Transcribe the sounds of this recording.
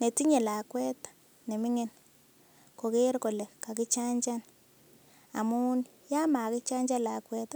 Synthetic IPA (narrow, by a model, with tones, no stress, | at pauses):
ne˨ti˦ɲe˨la˨kwɛ˦tḁ | ne˨mɪ˦ŋe˦n | ko˨ke˦ɾko˨le˨ka˨ki˦t͡ʃa˦ɲt͡ʃa˦n | a̰˨mu˦ni | ja˦ma˨kɪ˦t͡ʃa˦ɲd͡ʒa˦la˨kwɛ˦t